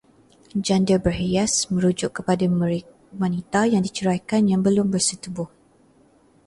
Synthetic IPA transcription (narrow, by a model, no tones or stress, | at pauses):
d͡ʒandəbəɦiasmə̃ɾud͡ʒʊʔkːəpada | wanit̪ajaŋdit͡ʃəɾajkanjaŋbəlʊmbərsət̪ubʊh